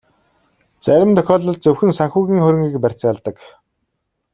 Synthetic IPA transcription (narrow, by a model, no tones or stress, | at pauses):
t͡sæɾʲɪ̆mt̪ʰœxʲɔːɮɞ̆ɮ̚t͡sɵwxɘ̆nsaŋxuːɣʲiːŋχɵɾʲɪ̆ŋɡiːkpær̥ʲt͡sə̆ŋaɮt̪ə̆k